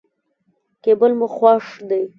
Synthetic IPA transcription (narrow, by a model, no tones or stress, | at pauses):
kebəlmʊxwɑʂd̪aj